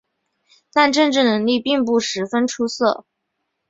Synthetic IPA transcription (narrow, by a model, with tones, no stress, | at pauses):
t̪a˥˧nʈ͡ʂɤ˥˧nʈ͡ʂɻ̩˥˩nɤ˧˥ŋli˥˧pi˥˧ŋp̬u˥˩ʂɻ̩˧˥fə˥nʈ͡ʂʰu˥sɤ˥˩